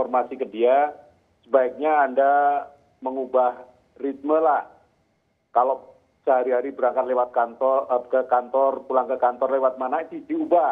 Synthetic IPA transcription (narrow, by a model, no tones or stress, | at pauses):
ɔrmasikədia | səbaik̚ɲaːnda | məŋubah | rit̪̚məlah | kalo | səɦaɾiɦaɾibəɾaŋkat̪̚lewat̪̚kant̪ɔkəkant̪ɔrpulaŋkəkant̪ɔrlewat̪̚manait̪udiuba